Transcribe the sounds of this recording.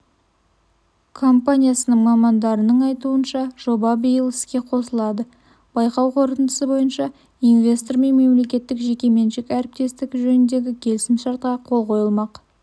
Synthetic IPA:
kʰo̞mpanʲijasənəɴmɑmɑnd̪ɑɾənəɴɑjt̪uənʃɑʒ̥o̞bɑbijəlˠɪskʲe̞qʰo̞səlˠɑd̪ə | b̥ɑjqɑwqʰo̞ɾt̪ənd̪ə̥səbo̞jənʃɑ | invʲe̞st̪oɾme̞nme̞mle̞kʲe̞t̪ːɪkʒe̞kʲe̞me̞nʃɪkæɾɪp̚t̪e̞st̪ɪkʒɵnɪnd̪e̞ɡʲɪkʲʰe̞lɪsɪmʃɑɾt̪̚qɑqʰo̞lˠqʰo̞jəlˠmɑq

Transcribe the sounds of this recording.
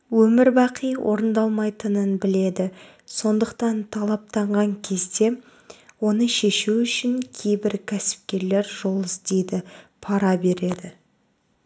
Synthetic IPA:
wɵmɪɾbɑqʰəjwʔo̞̰ɾənd̪ɑlˠmɑjt̪ənənbɪle̞d̪ɪ | so̞nd̪əqt̪ɑnt̪ʰɑlˠɑp̚t̪ɑɴʁɑŋkʲʰe̞zd̪e̞ | wo̞nəʃe̞ʃuʏʃɪŋkʲʰe̞jbɪɾkʲʰæsɪ̥p̚kʲe̞ɾle̞ɾʒo̞lˠəzd̪e̞jd̪ɪpʰɑɾɑbe̞ɾe̞d̪ɪ

